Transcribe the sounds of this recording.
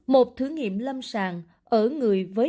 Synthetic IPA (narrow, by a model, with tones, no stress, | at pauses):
mo˨˩t̚t̪ʰɨ˨˦ŋḭ˧˨əmlə˧msaː˨˩ŋ | ʔəː˧˩ŋɨ˨˩əjvəː˨˦